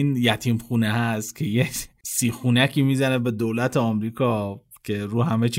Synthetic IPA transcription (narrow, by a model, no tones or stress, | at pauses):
injæt̪ʰiːmxuːnehæst̪cʰe̞jesiːxunæcʰiːmiːzænebe̞d̪oːlæt̪ʰeɒmɾiːkʰɒː | cʰe̞ɾuːɦæmet͡ʃʰi